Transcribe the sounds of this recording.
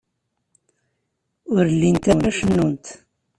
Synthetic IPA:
ʊɾlːint̪æwæʃənːunt̪

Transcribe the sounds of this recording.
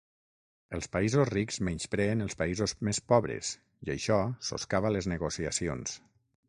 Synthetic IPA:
əlˠspəizosrikzmɛnt͡ʃpɾɛːnəlˠspəizozmespɔβɾḛz̥ | iə̰jʃɔso̰skaβələznəɣosiəsions

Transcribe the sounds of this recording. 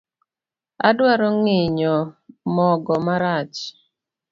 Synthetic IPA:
adwaɾɔŋɪɲɔmɔɡɔmaɾat͡ʃ

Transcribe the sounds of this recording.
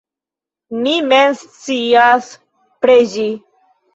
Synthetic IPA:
mimenst͡sias | pɾed͡ʒi

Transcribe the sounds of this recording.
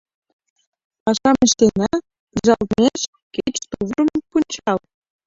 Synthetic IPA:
pɑʃɑmə̆ʃt̪enʲæ | ʒɑlneʃ | ket͡ɕt̪uvrəmpunʲt͡ɕɑl

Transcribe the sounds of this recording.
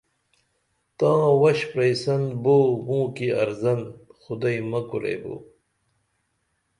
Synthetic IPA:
t̪ãːwɐɕpɾejsɐnboːmũːkiɐɾzɐnxʊd̪ajmɐkuɾḛjbo̰

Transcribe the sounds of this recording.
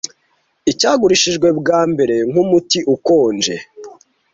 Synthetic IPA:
icaːɡuɾiʃiʒɡwe̞bɡaːmbe̞ɾe̞ŋ̥umutiʔuko̞ːnd͡ʒe̞̰

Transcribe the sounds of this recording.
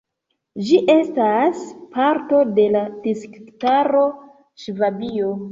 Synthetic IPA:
d͡ʒiʔe̞staspaɾto̞de̞lad̥iskktaɾo̞ | ʃvabio̞

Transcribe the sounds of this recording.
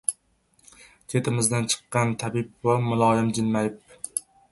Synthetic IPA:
t͡ʃʰe̞t̪ʰɪmɪzd̪ant͡ʃʰɨ̥qːɑnt̪ʰabɪp̚wamʊlˠɒjɪmd͡ʒɪnmajp̚

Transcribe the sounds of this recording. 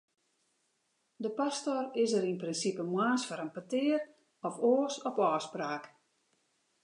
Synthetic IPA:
dəpastorɪsəɾinprɪnsipəmwaːsfɔɾənpatɪər | ɔfoːəsɔpɔːspraːk

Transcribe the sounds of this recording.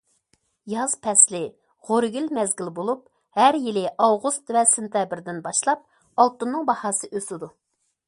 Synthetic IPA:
jɑz̥pʰɛslɪ | ʁoɾɡʲylmɛzɡʲilbolˠup̚ | hæɾjilɪʔɑwʁust̪vɛsɪnt̪ʰjɑbɪɾd̪ɪnbɑʃlˠɑp̚ | ɑlˠt̪ɨnːɨŋbɑhɑːsɨʔøsɪd̪u

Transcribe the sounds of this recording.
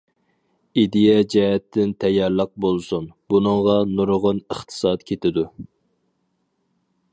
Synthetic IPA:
id̪ijɛd͡ʒɛɦɛt̪ːɪnt̪ʰɛjːɑɾlˠəq̚bolˠsunb̥unɨŋʁɑnuɾoʁʊnəχt̪ʰɨ̥sɑt̪kʲʰet̪ɪd̪u

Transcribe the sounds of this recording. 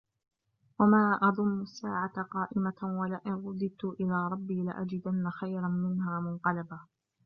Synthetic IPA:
wamaːʔɑðˤʊmːʊsːaːʕat̪qɑːʔɪmawalaʔɪnɾˤʊd̪ˤɨb̚t̪ʊʔɪlaːɾˤɑbːiːlɪ̰ʔa̰d͡ʒɪd̪anːaxajɾanmɪnhaːmʊnqɑlaba

